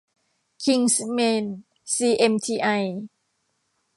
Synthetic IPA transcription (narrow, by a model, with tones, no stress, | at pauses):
kʰi˧ŋsmeː˧n | siː˧ʔe˧mt̪ʰiː˧ʔa˧j